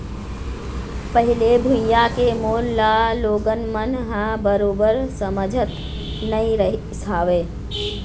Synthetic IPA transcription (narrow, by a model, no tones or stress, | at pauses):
pəɦɪlebʱʊjːakemoːlːaːloːɡənmənɦãbəɾoːbəɾsəməd͡ʒʱət̪ | nəĩɾəɦ | saːʋeː